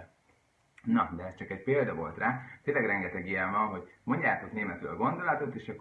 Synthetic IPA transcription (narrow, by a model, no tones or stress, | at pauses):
nɒd̪ɛɛst͡ʃɒkɛcpeːld̪ɒvo̞lt̪raːt̪eːnlɛɡrɛŋɡɛt̪ɛɡiɛɱvɒnɦo̞ɟmo̞ɲɟaːt̪o̞kneːmɛt̪ø̰ːlɒɡo̞nd̪o̞lɒt̪o̞t̪eːʃɒkː